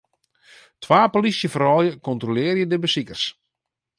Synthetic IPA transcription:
tʰʋaːpolisjəfərɔːjəkɔntrolɪːrjədəbəsikərs

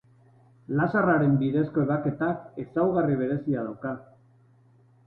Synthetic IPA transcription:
lasaraɾe̞mbiðe̞sko̞eβake̞t̪ake̞sawɣariβ̞e̞ɾe̞siaðawka

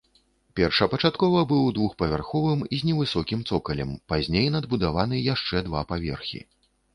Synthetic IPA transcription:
pʲɛrʂɐpɐt͡ʂat̪kɔvɐbɨwd̪vuxpɐvʲarxɔvɨmizʲnʲɛvɨsɔkʲimt̪sɔkɐlʲɛmpazʲnʲejnɐd̪̚bud̪avanɨjaʂt͡ʂɛd̪vapavʲɛrxʲḭ

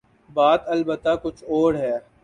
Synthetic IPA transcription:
baːt̪ɐlbət̪ːakʊt͡ʃʰoːɽɦɛː

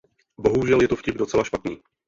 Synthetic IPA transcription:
bo̞ɦuʒɛljɛt̪ofcɪbdo̞t͡sɛlaʃpat̪niː

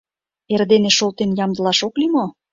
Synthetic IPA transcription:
erd̪eneʃolt̪enjɑmd̪ə̆lɑʃoklimo

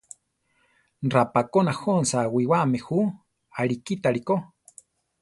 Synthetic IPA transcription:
nrapakonahonsawiwamehu | aɾikit̪aɺiko

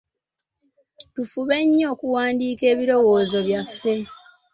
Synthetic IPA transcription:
tufuβe̞ɲːo̞ːkuwaːndiːke̞ːβiɾo̞wo̞ːzo̞βjafːe̞

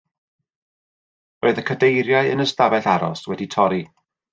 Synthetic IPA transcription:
oɨðəkʰədejɾjaɨə̰nəstavɛθaɾɔ̰swɛditʰɔɾi

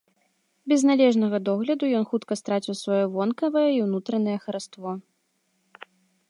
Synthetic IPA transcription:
bʲɛznalʲɛʐnɐɣɐd̪ɔɣlʲɐd̪ujɔnxut̪kɐst̪ɾat͡sʲiwsvajɔvɔnkɐvɐjɛiwnut̪ɾɐnɐjɛxɐɾast̪vɔ

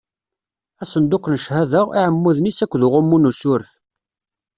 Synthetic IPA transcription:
æsənd̪ʊknəʃhæðəʁiʕəmːuðnisækʷːðuʁʊmːunusʊɾf

